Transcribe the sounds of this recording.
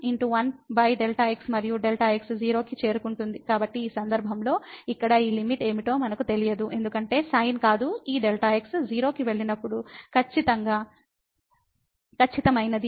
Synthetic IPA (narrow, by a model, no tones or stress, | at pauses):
iɳʈuʋɐnbɐjɖelʈaːeksmɐɾijuɖelʈaːeksd͡ʒiːɾo̞ːkit͡ʃe̞ːɾukuɳʈund̪ikaːbɐʈːiːsɐnd̪ɐɾbʱɐmlo̞ːikːɐɽɐiːlimiʈe̞ːmiʈo̞ːmɐnɐkut̪e̞lijɐd̪uʔe̞nd̪ukɐɳʈe̞ːsɐjnkaːd̪uiːɖelʈaːeksd͡ʒiːɾo̞ːkiʋe̞ɭːinɐpːuɽukʰɐt͡ʃːit̪ɐŋɡaː | kʰɐt͡ʃːit̪ɐmɐjnɐd̪i